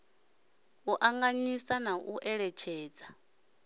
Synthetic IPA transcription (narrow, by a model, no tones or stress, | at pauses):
uʔaŋɡaɲisanaʔuʔɛɺɛt͡ʃʰɛːd͡za